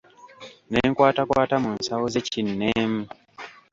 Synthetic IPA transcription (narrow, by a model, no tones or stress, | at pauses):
neːŋkwaːtakwaːtamunsawoze̞cinːeːmu